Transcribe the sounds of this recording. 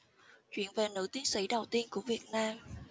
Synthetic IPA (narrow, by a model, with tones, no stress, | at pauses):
t͡ɕwi˧˩ənve˨˩nɨ̰˧˥t̪i˨˦ənsḭ˧˥ɗə˨˩wt̪i˧ənku˧˩əvi˨˩ət̚naː˧m